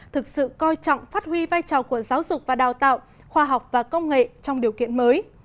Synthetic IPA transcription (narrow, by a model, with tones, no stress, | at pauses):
t̪ʰɨ˨˩k̚sɨ̰˧˨kɔ˧jt͡ɕɔ̰˧˨wŋ͡mfaː˦˥t̚hwi˧vaː˧jt͡ɕɔ˨˩ku˧˩əzaː˨˦wzʊ˨˩k͡p̚vaː˨˩ɗaː˨˩wt̪a̰ː˧˨w | xwaː˧ɦa˨˩wk͡p̚vaː˨˩kə˧wŋ͡mŋḛ˧˨t͡ɕɔ˧wŋ͡mɗi˨˩əwkḭ˧˨ənməː˨˦j